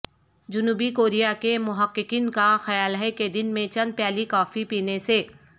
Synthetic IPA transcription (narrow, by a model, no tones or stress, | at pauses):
d͡ʒʊnuːbikoːɾijakemʊɦəqːɪkiːnkaxɐjaːlɦɛked̪ɪnmẽt͡ʃɐ̃nd̪̚pjɛːlikɔːfipiːneseː